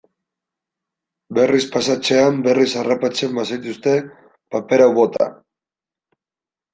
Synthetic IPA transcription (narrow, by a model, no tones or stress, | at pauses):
be̞rispasat͡se̞ambe̞risarapat͡se̞mbasajt̪ust̪e̞ | pape̞ɾawβo̞t̪a̰